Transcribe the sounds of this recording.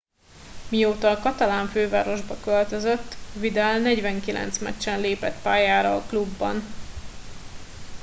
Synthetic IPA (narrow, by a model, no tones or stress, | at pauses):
mijoːt̪ɒːkɒt̪ɒlaːɱføːva̰ːɾo̞ʒbɒkølt̪øzøt̪ːvid̪ɛlnɛɟvɛŋkilʔɛ̰nt̪smɛ̰t͡ʃːɛnleːpɛt̪paːjaːɾɒːklubːɒ̰n